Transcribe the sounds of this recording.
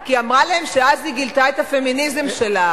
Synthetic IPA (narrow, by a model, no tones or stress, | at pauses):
kiamʁalaemʃeaziɡilt̪aet̪afe̞minizemʃe̞la